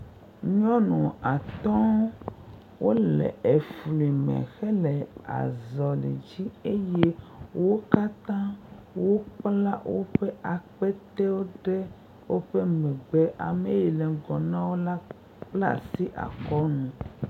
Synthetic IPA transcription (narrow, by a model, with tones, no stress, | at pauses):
ɲɔ̃˦nũ˨a˨t̪ɔ̃˦ | wʔo˦lɛ̰˨e˨fli˨mɛ̰̃˨xɛ˦lɛ˨a̰˨zɔ˨lḭ˨d͡ʑi˦e˦je˦wo˦ka˦t̪ã˦ | wo˦k͡pla˦wo˦ɸe˦ʔa˨k͡pɛ˦t̪ɛ˦wo˦ɖɛ˦ | wo˦ɸe˦mɛ̃˨ɡ͡be˦ʔa̰˨me˨ji˨lɛ˨ɡɔ˨nã˦wo˦la˦ | k͡pla̰˦si˦ʔa̰˨kɔ˦nũ˨